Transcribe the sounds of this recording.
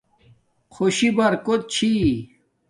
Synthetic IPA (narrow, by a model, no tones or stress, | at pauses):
kʰoɕibɐɾkot̪̚t͡ɕʰi